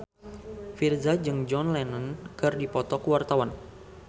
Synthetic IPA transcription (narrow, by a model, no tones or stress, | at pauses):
firzad͡ʒɨŋd͡ʒɔnlɛnənkɨrdipɔt̪ɔkəwart̪awan